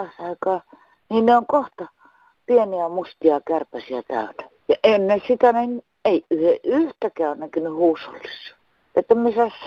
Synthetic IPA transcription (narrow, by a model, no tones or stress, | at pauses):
ɑsɑˑikɑː | niːnneoŋkoht̪ɑ | pieniæmust̪iɑkærpæsiæt̪æ̰ˑyt̪æ | jɑʔenːesit̪ænen | eˑiyheʔʔyht̪ækæːonnækynyhuːsːo̰lːisːɑ̥ | et̪ːæmiesæs